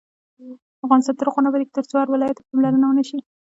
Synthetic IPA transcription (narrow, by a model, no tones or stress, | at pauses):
afɣɑnst̪ɑnt̪əɾʊqunabad̪ik̚t̪əɾt͡soaɾwɪlɑjat̪pamlaɾənawənaʃi